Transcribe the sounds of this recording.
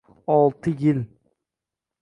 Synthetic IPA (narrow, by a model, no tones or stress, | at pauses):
ɑlˠt̪ʰɯjilʲ